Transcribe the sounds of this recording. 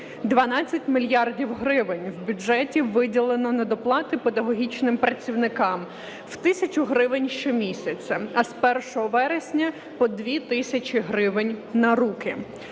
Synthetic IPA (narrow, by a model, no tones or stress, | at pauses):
d̪ʋɐnɑt͡sʲːɐtʲmʲilʲjɑrdʲiwɦɾɪʋɪnʲwbʲʊʒɛtʲiʋɪdʲilˠenɔnɐd̪ɔplˠɑt̪ɪped̪ɐɦɔɦʲit͡ʃnɪmpɾɐt͡sʲiwnɪkɑm | w̥t̪ɪsʲɐt͡ʃʊɦɾɪʋɪnʲʃt͡ʃɔmʲisʲɐt͡sʲɐɐspɛrʃɔɦɔʋɛɾesʲnʲɐ | pɔd̪ʋʲit̪ɪsʲɐt͡ʃʲiɦɾɪʋɪnʲnɐɾukɪ